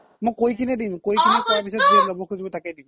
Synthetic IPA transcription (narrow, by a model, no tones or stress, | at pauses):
mojkojkʰinɛdimkojkʰinɛkɔɹapisɔt̚ɡizabɔkʰuzibɔtakɛdim